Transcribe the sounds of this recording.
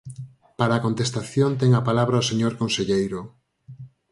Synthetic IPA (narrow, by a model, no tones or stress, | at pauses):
paɾaːkont̪est̪aθjont̪ɛŋapalaβɾaoseɲoɾkonseʎejɾo